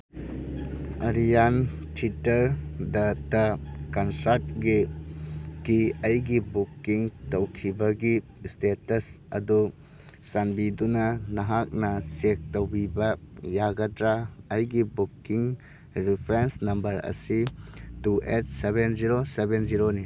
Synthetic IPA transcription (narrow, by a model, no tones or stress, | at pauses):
ɐɾijan | tʰitɐɾdɐtɐkɐnsaɾt̚ɡi | kiɐjɡibukːiŋtowkʰibɐɡi | stetɐs | ɐ̰du | sanbidunɐnɐɦak̚nɐsek̚towbibɐjaɡɐtɾaːjɡibukːiŋ | ɾipʰɾensnɐmbɐɾɐ̰situʔet̚sebenziɾosebenziɾoni